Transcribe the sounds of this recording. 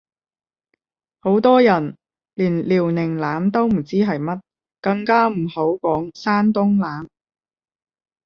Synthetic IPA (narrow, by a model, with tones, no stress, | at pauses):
ho˨˥wt̪ɔː˥jɐ˨˩n | liː˨˩nliː˨˩wnɪ˨˩ŋlaː˨˥mt̪o˥wm̩˨˩t͡siː˥ɦɐ˨jmɐ˥t̚ | kɐ˧ŋkaː˥m̩˨˩ho˨˥wkɔː˨˥ŋsaː˥nt̪ʊ˥ŋlaː˨˥m